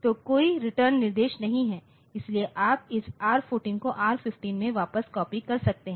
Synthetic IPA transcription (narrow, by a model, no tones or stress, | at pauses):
t̪oːkoːiɾɪʈəɾnːɪɾd̪eːʃnɐɦĩɦɛː | ɪslieʔaːp̚ɪsaːɾfoːʈɪ̃ŋkoʔaːɾfɪfʈiːnmẽʋaːpəskɔːpikɐɾsɐk̚t̪eɦɛ̃ː